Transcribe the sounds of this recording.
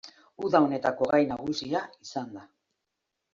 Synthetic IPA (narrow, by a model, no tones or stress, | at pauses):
uðaone̞t̪ako̞ɣajnaɣ̞usiaisand̪a